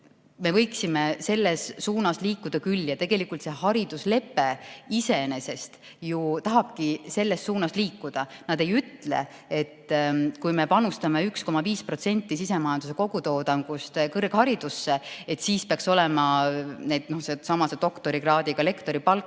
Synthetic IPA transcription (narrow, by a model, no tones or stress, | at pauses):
me̞vɤ̞jksimese̞lːesːuːnɑsliːkːˑud̪̥ɑkylːjɑt̪e̞ɡ̥e̞likːult̪se̞hɑɾid̪̥usle̞pːˑe̞ise̞ne̞se̞st̪ | jut̪ɑɦɑb̥̚kise̞lːe̞sːuːnɑsliːkːˑud̪̥ɑnɑd̪̥e̞jyt̪le̞̰ | e̞t̪ːkujme̞pɑnust̪ɑme̞yksko̞mɑviːspro̞t̪se̞nʲt̪ːˑisise̞mɑjɑnd̪us̬e̞ko̞ɡ̥ut̪o̞ːd̪ɑŋɡ̥ust̪kɤrɡ̥hɑɾid̪usːe̞et̪ːsiːspeɑkso̞lemɑne̞d̪no̞sesɑmɑset̪o̞kt̪o̞ɾiɡrɑːd̪iɡ̥ɑle̞kt̪o̞ɾipɑlk